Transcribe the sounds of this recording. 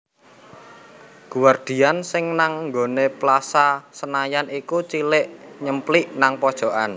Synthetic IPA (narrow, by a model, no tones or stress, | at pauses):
kuward̪̥i̤ansɪŋnaŋŋɡoneplasasənajanikut͡ʃilɪʔɲəmpliʔnaŋpɔd̥ʒ̥ɔ̤ʔan